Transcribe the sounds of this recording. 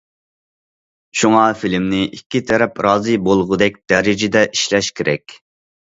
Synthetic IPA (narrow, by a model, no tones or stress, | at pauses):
ʃuŋɑfilmnɪʔikʲʰːit̪ʰɛɾɛpɾɑːzɨbolˠʁʊd̪ɛk̚ʲd̪̥ɛɾɪd͡ʒɪd̪ɛʔiʃlɛʃkʲʰeɾʔɛkʲ